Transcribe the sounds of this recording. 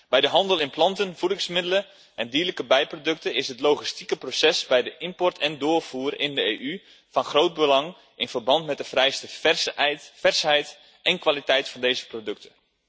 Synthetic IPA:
b̥ɛjdəɦɑndəlˠɪnplɑntənvudɪŋsmɪdələ | ʔɛndiːələkəbɛjprodɵk̚təɪsɦətlowχistikəprosɛsbɛjdəʔɪmpɔrtʰɛndʊːrfuːrɪndəeːʔy | fɑnχrowt̚bəlɑŋ | ɪnvərbɑntmɛt̚dəfrɛjstəɛstfɛrsɦɛjt | ʔɛnkʋalitɛjtfɑndejzəprodɵk̚tʰə

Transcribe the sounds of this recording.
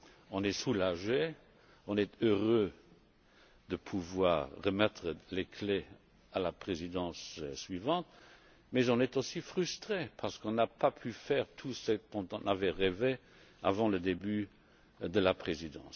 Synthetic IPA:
ɔ̃nɛsulaʒe | ɔ̃nɛt̪øʁø | d̪̥əpʰuvwaːʁːəmɛt̪χəlekʰle | alapχezid̪ɑ̃ssɥivɑ̃t̪ | mɛzɔ̃nɛt̪osifχyst̪χepʰaʁsə̥kɔ̃napapʰyfɛːʁt̪ʰusəd̪ɔ̃t̪ɑ̃navɛʁeve | a̰vɑ̃ləd̪eby | d̪əlapχezid̪ɑ̰̃ːs

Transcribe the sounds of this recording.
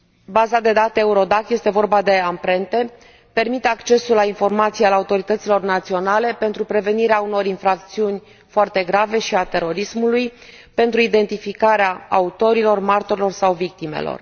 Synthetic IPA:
bazad̪e̞d̪at̪eeuɾo̞d̪akje̞st̪e̞vo̞rbad̪e̞ampɾe̞nt̪e̞ | pe̞rmit̪e̞akt͡ʃe̞sulːainfo̞rmat̪sijaleaut̪o̞ɾit̪ət̪silo̞rnat̪sio̞nale̞pe̞nt̪ɾupɾe̞ve̞niɾeauno̞ɾinfɾak̚t̪siunʲ | foart̪e̞ɡɾave̞ʃiat̪e̞ɾo̞ɾismuluj | pe̞nt̪ɾuid̪e̞nt̪ifikaɾeaaut̪o̞ɾilo̞rmart̪o̞ɾilo̞rsawvik̚t̪imḛlo̰r

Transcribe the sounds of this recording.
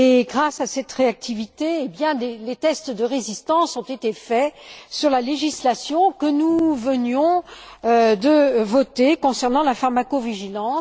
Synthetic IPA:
eɡʁasasɛt̪ʁeak̚t̪ʰivit̪eːbjɛ̃delet̪ɛst̪d̪əʁezist̪ɑ̃sɔ̃t̪et̪efɛsyʁlaleʒislasjɔ̃kənuvənjɔ̃ød̪əvɔt̪ekɔ̃sɛʁnɑ̃lafaʁmakoviʒilɑ̃

